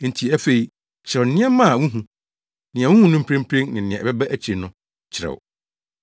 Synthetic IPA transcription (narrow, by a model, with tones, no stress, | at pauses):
n̩˨tʰi˨æ˦fe˨i˨ | t͡ɕʰɪ˨ɾɛ˨n̩˦nɪ̃˦ɛ˦mã˦˨wũ˦ɦũ˨ | nɪ̃˨ɛ̃˨wũ˦hũ˦nʊ̃˦m̩˦pʰɾẽ˦m̩˦pʰɾẽ˦nnɪ̃˨nɪ̃˨ɛ̃˨bɛ˦bæ˦ʔæ˦t͡ɕʰi˨ɾe˨nʊ̃˦ | t͡ɕʰɪ˨ɾɛ̰˨w